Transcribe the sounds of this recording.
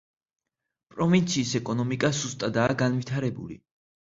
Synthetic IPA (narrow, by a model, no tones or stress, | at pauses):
pʼɾɔvint̪sʰiːsɛkʼɔnɔmikʼazust̪ʼad̪aːɡanvit̪ʰaɾɛbṵlḭ